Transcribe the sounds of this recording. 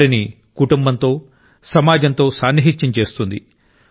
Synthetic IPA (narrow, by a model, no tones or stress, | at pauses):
ɾini | kuʈumbɐnt̪o̞ː | sɐmaːd͡ʒɐnt̪o̞ːsaːnːiɦit̪jɐmt͡ʃe̞ːst̪und̪i